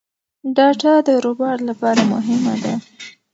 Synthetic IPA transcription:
ɖɑʈad̪əɾobɑɾlapɑɾamʊ̰ɦɪmad̪a

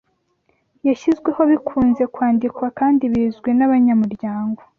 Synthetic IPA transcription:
jaʃizɡwe̞ho̞βikʰuːnze̞kwaːndikwakaːndiβiːzɡwe̞naβaɲamuɾɟaːŋɡo̞

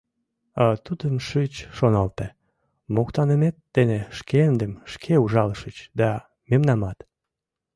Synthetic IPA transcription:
ɑt̪ud̪əmʃɨt͡ɕʃonɑlt̪e | mokt̪ɑnəmet̪̚ːeneʃkeend̪emʃkʰeuʒɑləʃət͡ɕd̪ɑ | memnɑmɑt̪

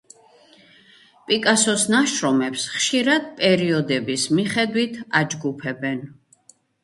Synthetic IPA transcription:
pʼikʼasɔsnaʃɾɔmɛpsχʃiɾad̪̥̚pʼɛɾiɔd̪ɛbismiχɛd̪wit̪ʰad͡ʒɡupʰɛbɛn

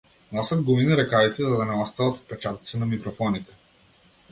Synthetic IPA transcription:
nɔsʲəd̪ɡuviniɾɛkavit̪sizɐd̪ɐnɛlˠast̪ɐət̪o̥t̪̚pɛt͡ʃat̪t̪sɛnɐmikɾofɔnit̪ɛ̥

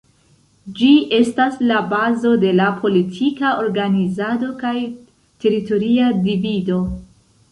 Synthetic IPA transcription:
d͡ʒiʔe̞staslabazo̞de̞lapʰo̞litʰikaʔo̞ɾɡanizado̞kaj | te̞ɾito̞ɾiadivido̞

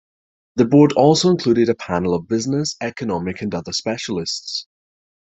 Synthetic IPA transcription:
ðəbɔːdɔlˠsoʊɪ̃nkʰl̥ʉːɾɪɾəpʰanəl̩ˠəvbɪznɪsɛkənɒmɪkʰə̃nʌðə˞spɛʃəlˠɪsts

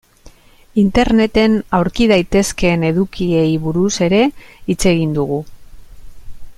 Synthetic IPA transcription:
int̪e̞ɾne̞t̪e̞nawɾkiðajt̪e̞ske̞ne̞ðukie̞jβuɾuse̞ɾe̞it͡se̞ɣ̞ind̪uɣ̞u

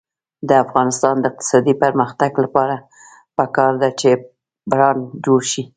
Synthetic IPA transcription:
d̪əafɣɑnɪst̪ɑnd̪əɪq̚t̪ɪ̥sɑd̪ipəɾməxt̪aɡlapɑɾa | pəkɑɾd̪at͡ʃe | bɾɑnd͡ʒoɽʃi

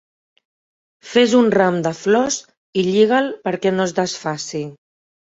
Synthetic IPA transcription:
fezunramd̪əflɔs | iʎiɣ̞əlpəɾkɛnozd̪əsfasi

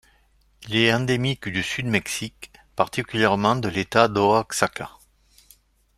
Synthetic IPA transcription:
ilɛɑ̃d̪emikd̪ysyd̪mɛksikpaʁt̪ikʲyljɛʁmɑ̃d̪əlet̪ad̪oaksaka̰

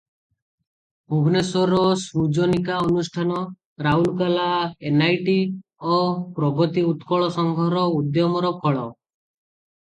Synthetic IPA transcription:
ubʱnesɔɾɔsɾud͡ʒɔnikaɔnusʈʰanɔ | ɾaulkalaenajʈiɔpɾɔɡɔt̪iut̪kɔɭɔsɔŋɡʱɔɾɔud̪jɔmɔɾɔkʰɔɭɔ

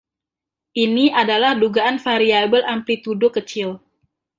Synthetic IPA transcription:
ʔiniʔadalahduɡaanfaɾiabəlʔampit̪udʊkət͡ʃɪl

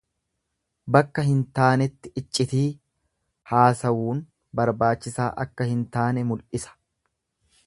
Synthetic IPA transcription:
bɐkːɐɦɪnt̪aːnɛt̪ːɪɪt͡ʃʼːɪt̪iː | haːsɐwuːn | bɐɾbaːt͡ʃːɪsaːʔɐkːɐhɪnt̪aːnɛmʊlʔɪsɐ̥

